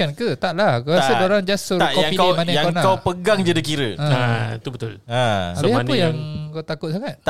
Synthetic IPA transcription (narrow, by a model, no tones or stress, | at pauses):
ankət̪aʔlahkəasədoɾaŋd͡ʒasəɾkɔapikmanaakonakawpəɡaŋd͡ʒədikiɾəait̪ubət̪ʊlaabiapəjaŋkawt̪akʊt̪̚s̬aŋat̪̚